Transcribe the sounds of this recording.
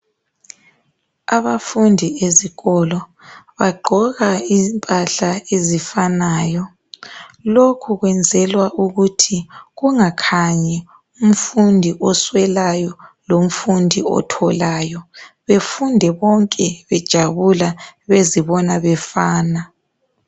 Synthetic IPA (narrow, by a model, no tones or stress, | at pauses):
aβafundʱieziɣɔlɔβaɡ͡ǃʱɔɣaimpʼaɬaezifanaːjɔ | lokʰuɣwɛnd͡zʱɛlwaʔuɣutʰiɣuŋakʰaɲɛ | um̩fundʱiʔɔswɛlajɔlom̩fundʱiɔ̰tʰɔlaːjɔβefundʱɛβɔŋkʼɛβɛd̥ʒ̥ʱaβulaβeziβɔnaβɛfaːna